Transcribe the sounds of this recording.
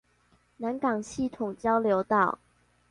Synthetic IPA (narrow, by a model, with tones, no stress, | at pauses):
na˨˦nkɑ˨˩ŋɕi˥˨˩t̪ʰʊ˨˩ŋt͡ɕjɑ˥˦ʊljo˧˦ʊt̪ɑ˥˨ʊ